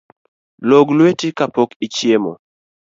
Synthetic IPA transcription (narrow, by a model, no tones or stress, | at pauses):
loɡlwetikapokit͡ʃjemo